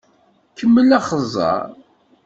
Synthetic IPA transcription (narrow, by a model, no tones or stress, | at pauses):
kʰːəmːəlæχəzˤɑ̰ɾˤ